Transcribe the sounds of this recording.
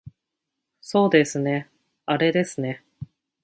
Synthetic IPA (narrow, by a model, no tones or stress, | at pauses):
so̞ːd̪e̞sɨne̞ | aɾe̞d̪e̞sɨne̞